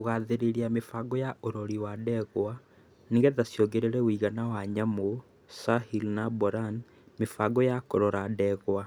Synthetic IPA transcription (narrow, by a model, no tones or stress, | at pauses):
ɣaðeɾeɾiamefaɡɔjaʔoɾɔɾiwadɛɣwa | niɣɡɛðasjoɡeɾeɾɛwiɣanawaɲamo | sahilnabɔɾan | mefaɡɔjakoɾɔɾadɛɣwa